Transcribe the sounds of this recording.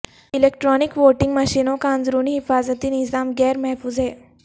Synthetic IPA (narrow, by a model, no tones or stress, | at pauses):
ilek̚ʈɾɔnikʋoʈiŋɡməɕiːnokãnd͡zɾuːniɦifazət̪iːnizamɡɛɾmɐɦfuːzɦɛ